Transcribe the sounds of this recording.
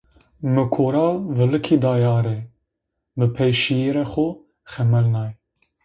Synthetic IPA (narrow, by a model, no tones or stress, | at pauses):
mɨkʰoːɾaːvɨlɨkʰiːd̪ɑːjɑːɾɛ | mɨpʰɛjʃijeɾɛxo | xɛmɛlnɑːj